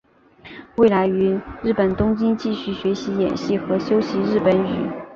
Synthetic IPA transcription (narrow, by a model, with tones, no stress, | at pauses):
we˥˩ɪla˧˥ɪy˧˥ɻɻ̩˥˩pə˨˩nt̪ʊ˥ŋt͡ɕi˥nt͡ɕi˥˧ɕy˥˩ɕɥɛ˧˥ɕi˧˥jɛ̰˨˩nɕi˥˩xɤ˧˥ɕjo˥ʊɕi˧˥ɻɻ̩˥˩pə˧˥ny̰˨˩˦